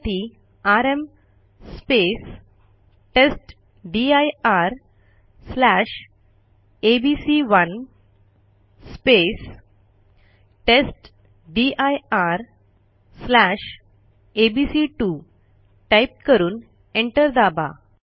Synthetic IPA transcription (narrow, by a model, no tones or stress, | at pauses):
ʈi | aɾem | spes | ʈesʈ | ɖiajaɾ | slaɕ | ebisiʋən | spes | ʈesʈ | ɖiajaɾ | slæɕ | ebisiʈu | ʈajp̚kəɾuːn | eɳʈəɾd̪aba̰